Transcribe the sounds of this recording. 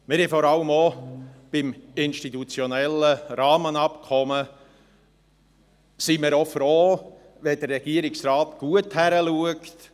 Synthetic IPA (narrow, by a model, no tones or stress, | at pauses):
mɪɾhifɔɾɑləmob̥ɪmɪnʃtitut͡sjɔnɛləɾɑːmənɑpkʰɔmə | simɪɾofroː | vɛd̥ərrɛɡ̥iəɾɪksrɑːtɡ̥uəthæɾəluəkt